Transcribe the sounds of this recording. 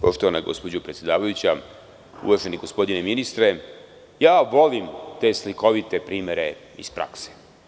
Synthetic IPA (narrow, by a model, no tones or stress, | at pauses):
po̞ʃt̪o̞ʋanaɡo̞̰spod͡ʑopɾet̪sʲjed̪aːʋajut͡ɕa | ṵʋaʒeniɡo̞spo̞d̪ineminist̪ɾe̞ | jaːʋo̞limt̪e̞sliko̞ʋit̪e̞pɾiːmeɾe̞ | ḭspɾa̰kse̥